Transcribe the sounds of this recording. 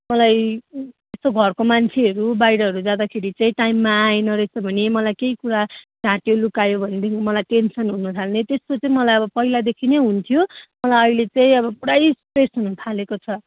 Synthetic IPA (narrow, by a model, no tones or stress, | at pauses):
mʌlaj | est̪oɡʱʌrkomant͡sʰeɦʌɾubajɽʌɦʌɾud͡zad̪akʰeɾit͡saĩʈaimːaːjnʌɾest̪obʱʌnemʌlajkeikuɾad͡zãʈjolukajobʱʌned̪ekʰimʌlajʈensʌnɦunut̪ʰalnet̪est̪ot͡sʌĩmʌlajʌbʌpʌɦilad̪ekʰineɦunt̪ʰijomʌlajʌilet͡saĩʌβʌprajspesɦunut̪ʰalekot͡sʰʌ